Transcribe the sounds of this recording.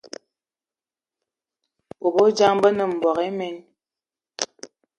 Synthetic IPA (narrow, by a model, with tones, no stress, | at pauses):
bo˨bo˦d͡ʒa˦ŋbə˦nə˨m̩˨bɔ˨ɣe˦mɛ˦n